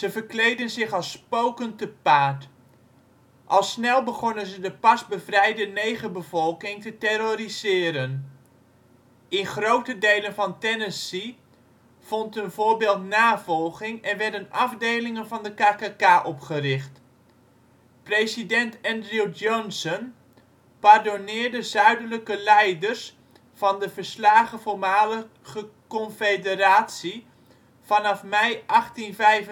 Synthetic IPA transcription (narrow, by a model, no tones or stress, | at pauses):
z̥əvərklejdənzɪχɑlˠspowkəntəpaːt | ʔɑlˠsnɛlˠbəχonənzədəpɑsbəvrɛjdənejχəbəvɔlˠkɪŋtətɛrorizɪːɾən | ɪnχrowtədejlənvɑntɛnəsi | v̥ɔntənvʊːɹbɪːlˠtnaːvɔlˠχɪŋɛnʋɛɹdənɑvdejlɪŋənvɑndəkaːkakaːʔɔpχərɪχt | prejzidɛntɛndrid͡ʒɔnsən | pardonɪːɹdəzœɥdələkəlɛjdərs | fɑndəvəɹslaːχəfɔɹmaːlə | χəkɔnfedəraːtsi | v̥ɑnɑfmɛjʔɑχtinvɛjv